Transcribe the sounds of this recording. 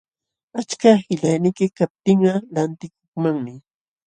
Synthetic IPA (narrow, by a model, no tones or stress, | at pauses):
at͡ʃkahɪʎajnɪkɪkap̚t̪ɪŋɢɑlant̪ɪkoχmaŋmɪ